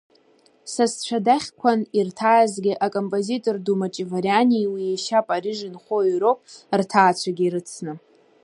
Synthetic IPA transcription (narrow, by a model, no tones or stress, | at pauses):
sast͡ʃʷʰadaχʲkʷʰanirtʰajazɡʲɪʔakʼo̞mpʼo̞zitʼo̞rdumat͡ʃʼivaɾjaniwijeʃapʼaɾiʒɪnχʷoɥɾopʼrtʰaːt͡ɕʷʰaɡʲiɾɨt͡sʰnɨ